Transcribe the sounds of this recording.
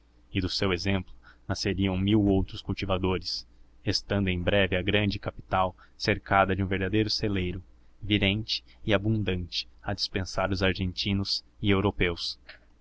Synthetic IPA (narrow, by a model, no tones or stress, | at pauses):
ɪd̪ʊsewezẽmplʊnaseɾiɐ̃w̃miwowt̪ɾʊskuwt͡ʃivad̪oɾɪs | est̪ɐ̃nd̪ʊẽj̃bɾɛvɪɐɡɾɐ̃nd͡ʒɪkapi̥t̪aw | seɾkad̪ɐd͡ʒɪũveɾd̪ad̪ejɾʊselejɾʊ | viɾẽnt͡ʃɪ̥ːabũnd̪ɐ̃nt͡ʃɪ̥ɐd͡ʒispẽsaɾʊzaɾʒẽnt͡ʃĩnʊz | ɪewɾopews